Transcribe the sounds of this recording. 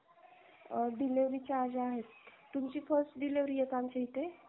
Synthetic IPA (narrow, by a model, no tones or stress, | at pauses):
d̪ileʋɾit͡ɕaːd͡zaːɦet̪t̪ːumt͡ɕiːfəɾsʈd̪ileʋɾijekamt͡ɕeɦit̪e